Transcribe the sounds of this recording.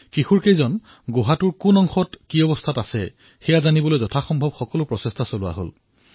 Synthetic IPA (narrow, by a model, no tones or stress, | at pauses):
kixuɹkejzɔn | ɡoɦatʊɹkunɔŋxɔtkiɔbɔstʰatasɛ̰ | xɛjazanibɔlojzɔtʰaxɔmbʱɔbxɔkɔlʊpɹɔsestʰasolʊwa̰ɦo̰l